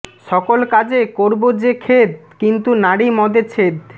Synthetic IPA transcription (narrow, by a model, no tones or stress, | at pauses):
ʃɔkolkad͡ʑekoɾbod͡ʑekʰet̪kint̪unaɽimɔd̪et͡ɕʰet̪